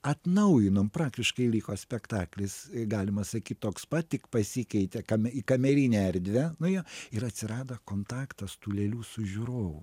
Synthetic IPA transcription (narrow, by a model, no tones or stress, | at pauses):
ɐt̪nɐʊjɪnoːmpɾɑːkt̪ʲɪʃkɐɪlʲiːkoːsʲpʲɛkt̪ɑːklʲɪsɡɑːlʲɪmɐsɐkʲiːt̪̚ʲt̪oːkspɐttʲɪkpɐsʲikʲɛɪt̪ʲɛkɐmʲɛiːkɐmʲɛɾʲiːnʲɛɛɾʲd̪ʲʋʲɛnʊjoɪɾɐt̪ʲsʲɪɾɑːd̪ɐkoːnt̪ɑːkt̪ɐst̪uːlʲɛlʲuːsʊʒʲuɾoːʋʊ